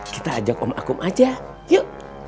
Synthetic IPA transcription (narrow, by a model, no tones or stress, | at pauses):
kit̪aːd͡ʒakɔma̰kumʔad͡ʒa | jəʔ